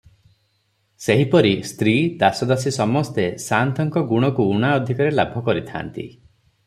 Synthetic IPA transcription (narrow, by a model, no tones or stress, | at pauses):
seɦipɔɾist̪ɾid̪asɔd̪asisɔmɔst̪esant̪ʰɔŋkɔɡuɽ̃ɔkuuɽ̃aɔd̪ʱikaɾelabʱɔkɔɾit̪ʰa̰nt̪ḭ